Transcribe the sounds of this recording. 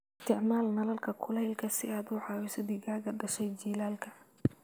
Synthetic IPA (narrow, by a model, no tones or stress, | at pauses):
ɪst̪ʰɪʕmaːlnɐlɐlkʰɐkʰʊlɛɪlkʰɐsɪaːd̪ʊːʕɑːwisɐd̪ɪɣaːɣɐɖɐʃɛjd͡ʒiːlaːlkʰɐ